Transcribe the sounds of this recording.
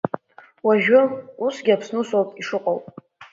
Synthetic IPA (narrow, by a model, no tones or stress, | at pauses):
waʒᶣʊusɡʲɪapʰsnusowpʼiʂɨqʼowpʼ